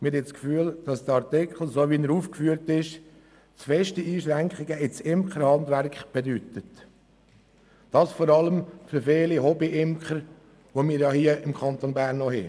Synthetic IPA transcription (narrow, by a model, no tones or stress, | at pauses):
mɪɾɪskfyːəld̥ɑsd̥̪əɑɾt̪ɪkʰχl̩ˠsoʋinəɾuːfkfyəɾtɪʃ | t͡sfɛʃtəiːʃɾæŋkχɪɡəɪt͡sɪmkχəɾhɑndʋæɾkχb̥edyt̪ət | d̥ɑːsfɔɾɑləmfʏɾfeːliɦɔbiʔɪmkχəɾ | ʋomiːɾjɑhiəɪmkʰχɑnt̪onbæɾnɔhe